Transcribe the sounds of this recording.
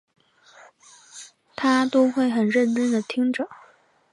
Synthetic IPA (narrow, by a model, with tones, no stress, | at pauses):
t̪ʰa˥t̪o˥ʊxwe˥˩ɪxə˨˩nɻə˥˩nʈ͡ʂə˥nd̪ə˨t̪ʰi˥ŋʈ͡ʂɤ˨˩˦